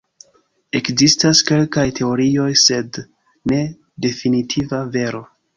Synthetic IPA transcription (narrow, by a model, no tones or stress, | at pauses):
e̞kzistaske̞lkajtʰe̞o̞ɾio̞jse̞d | ne̞ | de̞finitʰivave̞ɾo̞